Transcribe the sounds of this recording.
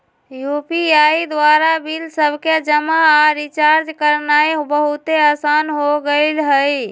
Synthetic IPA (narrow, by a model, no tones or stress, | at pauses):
jupiaid̪waɾabilsəbked͡ʒəmaːɾit͡ʃaɾd͡ʒkəɾnaebəɦut̪easanɦoɡəɪlɦəj